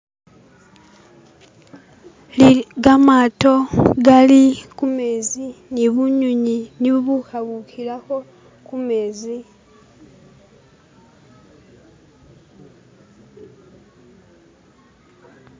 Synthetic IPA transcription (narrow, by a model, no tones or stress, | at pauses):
liɡamato̞ɡalikume̞ziniβuɲuɲiniβuβuxaβukilako̞ | kumeːzi